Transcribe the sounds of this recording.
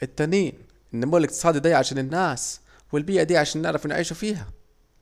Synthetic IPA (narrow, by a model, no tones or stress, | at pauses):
ʔɪt̪ːæniːn | ʔɪnːamuːlɪkt̪ɨ̥sˤɑːd̪id̪iːʕaʃæːnɪnːæːs | wɪlbiːʔæd̪iːʕaʃæːnːɪʕɾˤɑfnʕiːʃufiːɦæ